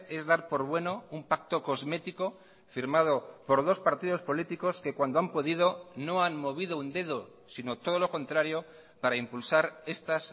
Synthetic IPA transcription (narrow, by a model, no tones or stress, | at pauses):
e̞zðaɾpo̞ɾβwe̞no̞umpak̚t̪o̞ko̞zme̞t̪iko̞ | fiɾmað̞opo̞ɾð̞o̞spaɾt̪ið̞o̞spo̞lit̪iko̞ske̞kwand̪oampo̞ð̞ið̞o̞no̞anmo̞β̞iðo̞und̪e̞ð̞o | sino̞t̪o̞ð̞o̞lo̞ko̞nt̪ɾaɾjo̞ | paɾaimpulsaɾe̞st̪as